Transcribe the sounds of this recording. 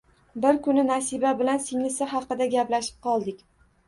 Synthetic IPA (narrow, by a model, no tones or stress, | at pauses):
bɪɾkʰʊnɪnasibabɪlansɪŋlɪsɪɦɑqɨd̪aɡʲaplaʃɪ̥p̚qʰɒlˠd̪ɪkʲ